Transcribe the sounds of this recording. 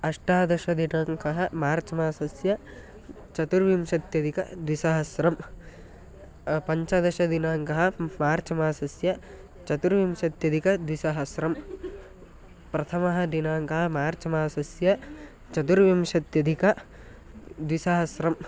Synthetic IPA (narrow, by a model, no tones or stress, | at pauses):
ɐʂʈaːd̪ɐʃɐd̪inaːŋkɐɦɐ̆maːɾt͡ʃɐmaːsɐsjɐ | t͡ʃɐt̪uɾʋimʃɐt̪jɐd̪ʱikɐd̪ʋisɐɦɐsɾɐm | pɐɲt͡ʃɐd̪ɐʃɐd̪inaːŋkɐɦɐmaːɾt͡ʃɐmaːsɐsjɐ | t͡ʃɐt̪uɾʋimʃɐt̪jɐd̪ʱikɐd̪ʋisɐɦɐsɾɐm | pɾɐt̪ʰɐmɐɦɐd̪inaːŋkɐɦɐ̆maːɾt͡ʃɐmaːsɐsjɐ | t͡ʃɐt̪uɾʋimʃɐt̪jɐd̪ʱikɐ | d̪ʋisɐɦɐsɾɐm